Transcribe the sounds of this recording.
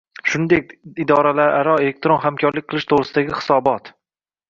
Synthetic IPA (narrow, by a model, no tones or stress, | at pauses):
ʃʊnd̪ek̚ʲɪd̪ɒɾalaɾʔaɾɒelek̚t̪ɾonɦamkʲʰɒɾlɪk̚ʲqʰɨlˠɪʃt̪ʰoʁɾɪsɪd̪aɡʲɪχɪ̥sɒbɒt̪